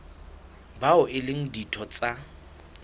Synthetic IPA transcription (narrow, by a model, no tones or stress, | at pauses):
baʊʔɪlɪŋ̩ditʰɔt͡sʼa